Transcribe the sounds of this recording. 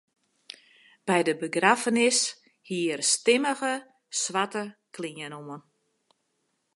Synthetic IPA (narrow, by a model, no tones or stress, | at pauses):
b̥ɛjdəbəɡrafənɪs | hiərstɪməɣə | swʋatəkʰliənomən